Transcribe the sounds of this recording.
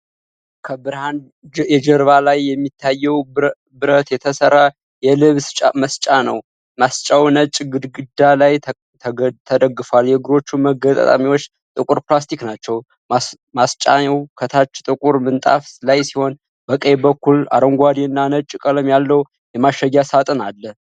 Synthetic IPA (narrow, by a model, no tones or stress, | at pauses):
kʰəbɨɾhan | jɛd͡ʒəɾβalajːɛmːit̪ʰːajːɛw | bɨɾət̪jɛt̪ʰəsəɾːa | jɛlɨβst͡ʃʼaməst͡ʃʼanə̰w | mast͡ʃʼawnət͡ʃʼɡɨd̪ɡɨd̪alaj̪ʰ | t̪ʰəd̪əɡːɨfaljɛɡɾo̞t͡ʃːuməɡət̪ʼə̰a̰miwo̞t͡ʃː | t̪ʼɨkʼuɾplast̪ʰiknat͡ʃːɛw | mast͡ʃʼaɛwkʰət̪ʰat͡ʃːt̪ʼɨkʼuɾmɨnt̪ʼa̰flajsiho̞n | bəkʼəjbəkːula̰ɾəŋɡʷad̪iɨnːanət͡ʃʼːɪkʼəlɨmjalːəw | jɛmaʃːəɡːasat̪ʼɨnalːə